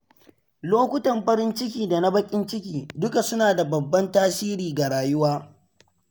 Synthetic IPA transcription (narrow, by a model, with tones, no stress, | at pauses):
loː˦kʷʊ˦tɐ˨mɸɐ˦ɾɪ˦nt͡ʃɪ˦kʲiː˨da˨na˦bɐ˦kʲʼɪ˦nt͡ʃɪ˦kʲiː˨dʊ˦ka˨sʊ˦naː˨da˨bɐ˨bːɐ˦ntaː˦siː˦ɾiː˨ɡa˨ɽaː˨jʊ˦waː˦